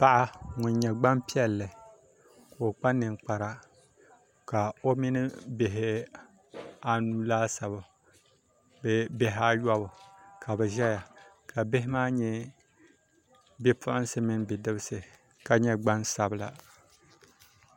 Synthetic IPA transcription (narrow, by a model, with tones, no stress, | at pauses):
pa˦ʔa˦ŋʊ˨nɲɛ˨ɡ͡ba˦mpi˦ɛ˦lːɨ˨ | kːk͡pa˦nːɨ˨ŋk͡pa˨ɾa˨ | ka˨o˦mi˦nɨ˦bɪ˨ɦɪ˦ | a˨nu˦laː˦sa˨bʊ˨ | bɛ˦bɛ˦ɦɪ˨˦a˦jɔ˦bʊ˨kʰa˨bɛ˨ʒɛ˦ja˨ | ka˨bɪ˦ɪ˦maː˦ɲɛ˦ | bɛ˦pʰʊ˦ʔʊ˦n˦sɨ˦mɪ˦nbɪ˨dɨ˦bɨ˦sɨ˨ | ka˨ɲɛ˦ɡ͡ba˦nsa˨bɨ˨la̰˨